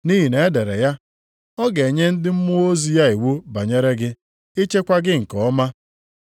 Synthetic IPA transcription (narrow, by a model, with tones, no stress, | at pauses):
ni˦ɦi˨ne˨e˦de˨ɾḛ˨ja˦ | ɔ˦ɡe˨ɲe˦n̩˦dɪ˦m̩˦mʊ˦o˦zi˦ja˦i˨wu˦ba˨ɲe˦ɾe˦ɡɪ˦ | i˦t͡ʃe˦kʷa˦ɡɪ˦ŋ̩˨kɔ˨ɔ˦ma˦